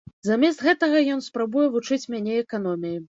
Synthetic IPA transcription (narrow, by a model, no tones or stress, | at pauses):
zamʲɛst̪ɣɛt̪ɐɣɐjɔn̪spɾabujɛvut͡ʂɨt͡sʲmʲanʲɛɛkan̪ɔmʲiji